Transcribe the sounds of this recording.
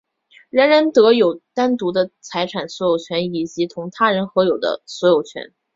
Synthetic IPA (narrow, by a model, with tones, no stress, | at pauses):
ɻə˧˥nɻa˧˥nt̪ɤ˧˥jo˨˩ʊt̪a˥nt̪u˧˥d̪ə˧t͡sʰa˧˥ɪʈ͡ʂʰa˨˩nswɔ˧˥jo˨˩ʊt͡ɕʰɥɛ˧˥ni˨˩t͡ɕi˧˥t̪ʰʊ˧˥ŋt̪ʰa˥ɻə˧˥nxɤ˧˥jo˨˩ʊd̪ə̰˦swɔ˧˥jo˨˩ʊt͡ɕʰɥɛ̰˧˥n